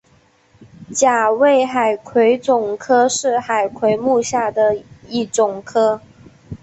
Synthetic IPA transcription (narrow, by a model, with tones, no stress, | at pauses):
t͡ɕja˨˩we˥˩ɪxa˨˩ɪkʰwe˧˥ɪt͡sʊ˨˩ŋkʰɤ˥ʂɻ̩˥˩xa˨˩ɪkʰwe˧˥ɪmu˥˧ɕja˥˩d̪ə˩i˥˩ʈ͡ʂʊ˨˩ŋkʰɤ˥